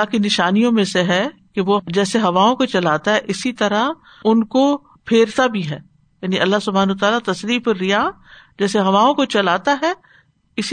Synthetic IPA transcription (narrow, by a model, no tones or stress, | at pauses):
lakinɪʃaːnijõmẽseɦɛ | keʋod͡ʒɛːseɦɐʋaːõkot͡ʃɐlaːt̪aɦɛʔɪsit̪ɐɾa | ʊnko | pʰeːɾt̪abʱiɦɛː | jaːniʔɐlːasʊbʱaːnəut̪aːlat̪ɐsɾiːfeɾɪja | d͡ʒɛːseɦɐʋaːõkot͡ʃɐlaːt̪aɦɛ | ɪsi